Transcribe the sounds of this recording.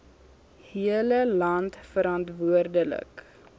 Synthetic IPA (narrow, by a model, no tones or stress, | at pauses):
hiələlɐntfəɾɐntvuərdələ̰k